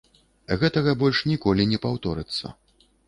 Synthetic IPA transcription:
ɣɛt̪ɐɣɐbɔlʲʂnʲikɔlʲinʲɛpawt̪ɔɾɨt̪sːɐ̰

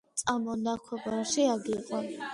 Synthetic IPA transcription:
sʼamɔnakʷʰwɛbaʃiaɡiqʼɔn

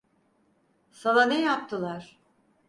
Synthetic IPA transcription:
salˠanɛjap̚t̪ʰɯlˠaɾ̥

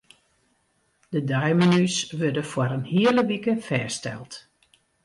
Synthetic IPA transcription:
d̥ədœjmənysʋøɹdəfwaɾənhiələʋikəfɛːstɛ̰lˠt

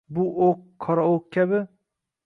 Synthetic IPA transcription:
bʊʔoqʰːɒɾaoq̚kʲʰabɪ

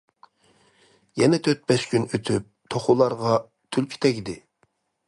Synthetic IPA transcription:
jɛnɛt̪ʰøt̪̚bɛʃkʲynøt̪ʰyp̚t̪ʰoχʊlˠɑɾʁɑ | t̪ʰylkʲʰi̥t̪ʰɛɡʲid̪ɪ

